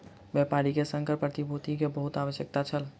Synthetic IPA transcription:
bɛpaɾikesəŋkəɾpɾət̪ibʱot̪ikebəɦut̪aʋəsjək̚t̪at͡ʃʰəl

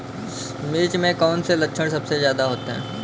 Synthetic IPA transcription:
mɪɾt͡ʃmẽkɔːnselɐkʃʰəɽ̃sɐbsezjaːd̪aɦoːt̪eɦɛ̰̃ː

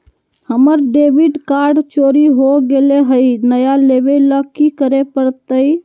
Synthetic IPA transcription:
həməɾɖebiɖkaɾɖt͡ʃoɾiɦoɡeleɦəjnəjalebeləkikəɾepəɾt̪əj

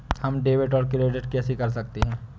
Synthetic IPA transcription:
hɐmɖeːʋɪʈɔːɾkɪleːɖeʈ̚kɛːsikɐɾsɐk̚t̪eɦɛ̃ː

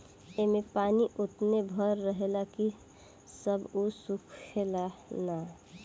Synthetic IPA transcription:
emẽpaːniʔʊt̪nebʱəɾːəɦelaki | səbusukʰelana

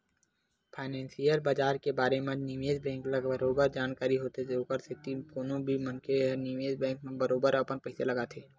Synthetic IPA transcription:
pʰaːnɛ̃ːnsijəɾbəd͡ʒaːɾkebaːɾemẽniʋeːzbɛ̃ːŋkləəɾoːbəɾd͡ʒaːnkaːɾiɦoːt̪ed͡ʒoːkəɾsɪt̪ikoːnõbʱimə̃nkʰeniʋeːzbɛ̃ːŋk̚mẽbəɾoːbəɾəpənpəɪselɐɡat̪ʰeː

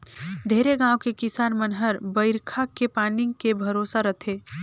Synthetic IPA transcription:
ɖʱeːɾeɡãːwkekɪsaːnmənɦəɾbəɪɾkʰakepaːnɪ̃ŋɡkebʱəɾoːsaɾət̪ʰeː

